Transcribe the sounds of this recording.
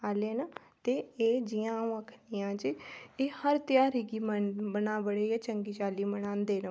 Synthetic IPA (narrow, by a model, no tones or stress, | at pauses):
aːleːna | t̪eːeːd͡ʒɪjãːũːəkʰnijãːd͡ʒeeːhəɾt̪jaːɾiɡiːməbənaːbəɽeːjaːt͡ʃəŋɡiːt͡ʃaːliːmənãːnd̪eːn